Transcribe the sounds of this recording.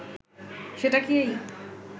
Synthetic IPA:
ʃeʈakiej

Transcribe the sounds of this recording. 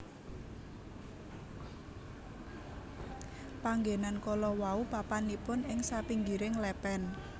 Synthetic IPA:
paŋɡenankɔlɔwaupapanipʊnɪŋsapiŋɡiɾɪŋlɛpɛn

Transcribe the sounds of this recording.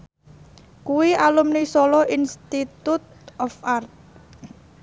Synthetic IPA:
kuwiʔalumnisɔlɔʔinst̪it̪ut̪̚ɔfart̪̚

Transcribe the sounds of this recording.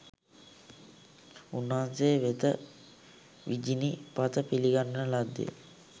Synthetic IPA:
unːaɦanseːʋet̪ə | ʋid͡ʒinipat̪əpiliɡanːəlad̪ːḛ

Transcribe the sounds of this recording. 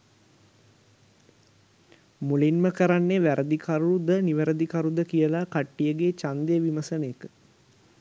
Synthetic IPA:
mulinməkəɾanːeʋæɾʔəd̪ikʰaɾuud̪əniʋəɾəd̪ikaɾud̪əkijəlakaʈːijəɡeːt͡ʃand̪eʋiməsənəjəkə

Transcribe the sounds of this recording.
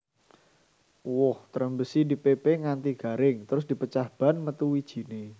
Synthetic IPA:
wʊht̪əɾəmbəsidipepeŋant̪iɡ̥a̤ɾɪŋt̪əɾʊs̬d̥i̤pət͡ʃahb̥a̤nmət̪uwid̥ʒ̥i̤ne

